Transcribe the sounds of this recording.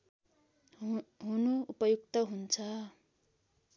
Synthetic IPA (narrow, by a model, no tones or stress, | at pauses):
ɦunuupʌjuk̚t̪ʌɦunt͡sʰʌ